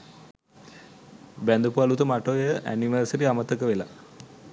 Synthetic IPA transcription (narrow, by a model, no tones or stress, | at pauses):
bænd̪upualut̪əmaʈojəʔæ̰niʋəːsəɾiamət̪əkəʋela